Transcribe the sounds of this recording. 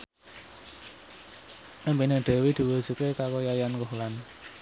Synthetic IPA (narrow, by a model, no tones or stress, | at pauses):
ʔəmpinəɖ̪̥ɛ̤wid̪̥i̤wə̥z̥ukekakojajankɔɦlan